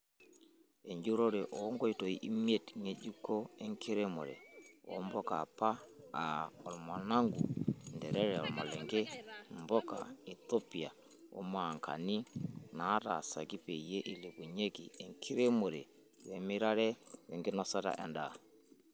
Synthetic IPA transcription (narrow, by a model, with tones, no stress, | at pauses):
e˨ɲɟu˦ɾo˦ɾɛ˨ʔɔ˨˦ŋɡɔ˦i˦to˨i˦ʔi˦mie˦˨tŋe˦d͡ʒu˦ko˦ɛ˦ŋki˦ɾe˦mo̰˨ɾɛ̰˨ɔ̰˨˦mbɔ˦ka̰˨pa˦a˨ɔ˨lma˨na˦ŋɡṵ˨ndɛ˨ɾɛ˦ɾɛ˨ɔ˨ma˨lɛ˨ŋɡe˦mbɔ˦ka̰˨i˨to˦pi˨a˨ | ɔ̰˦ma˨ŋka̰˨ni˦na˨˦ta̰˨sa̰˨ɡi˦pe˨je˦ʔi˨li˨bu˨ɲe˦kḭ˨e˨ŋkʰi˦ɾe˦mo˨ɾɛ˨ | wɛ˨mi˦ɾa˦ɾɛ˦wɛ˨ŋɡɪ˦nɔ˦sa˦ta̰˨ʔɛ̰˨nda˨